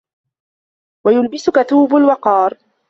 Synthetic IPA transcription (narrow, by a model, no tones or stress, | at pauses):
wajʊlbɪsʊkat̪uːbʊlwɑqɑːɾˤ